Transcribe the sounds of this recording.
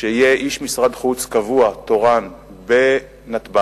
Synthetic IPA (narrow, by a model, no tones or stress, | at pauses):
ʃeijeʔiʃmisʁad̪χut͡skavuat̪oʁan | be | nat̪ba